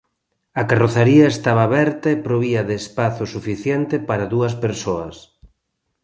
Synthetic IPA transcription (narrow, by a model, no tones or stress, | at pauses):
ɐkaroθaɾiɐest̪aβɐːβɛɾt̪ɐepɾoβiɐðeːspaθʊsufiθjɛnt̪ɪpaɾɐðuɐspeɾsoɐ̰s